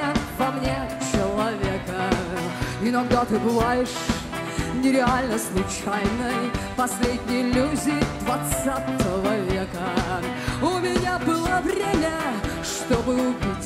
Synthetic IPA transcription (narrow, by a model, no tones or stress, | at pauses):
əvɐmnʲe | t͡ɕɪlˠɐvʲe̞kə | inoɡd̪at̪ɨbɨvajɪʂ | nʲɪɾʲɪalʲnəslˠʊt͡ɕajnəjpɐslʲedʲnʲɪjlʲuzʲɪd̪vɐt̪sat̪əvəvʲekə | ʊmʲɪnʲabɨlˠəvɾʲemʲəʂt̪o̞bɨʊbʲitʲ